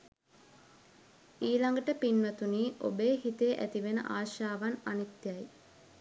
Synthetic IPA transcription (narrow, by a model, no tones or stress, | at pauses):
iːlaŋɡəʈəpinʋət̪uniːʔo̰beːɦit̪eʔæt̪iʋenə̰ʔaːʃaːʋananit̪jaj